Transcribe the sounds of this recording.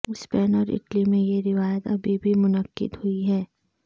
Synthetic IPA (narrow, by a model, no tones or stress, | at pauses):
ʊspɛːnɔːɾɪ̰ʈlimẽjeɾɪʋaːjət̪ɐbʱibʱimʊnəqːɪ̰d̪hʊiɦɛː